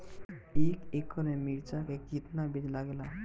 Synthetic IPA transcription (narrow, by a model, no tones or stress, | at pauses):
ekekʰːɔnemiɾt͡ʃakeɡit̪nabid̪laɡla